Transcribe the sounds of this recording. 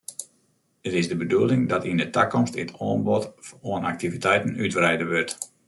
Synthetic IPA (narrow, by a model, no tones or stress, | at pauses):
ətɪzdəbəduəlˠɪŋdɔtindətakɔmstɪtʰɔːnbɔtoəna̰k̚tivitɛjtənytbrɛjdəʋørt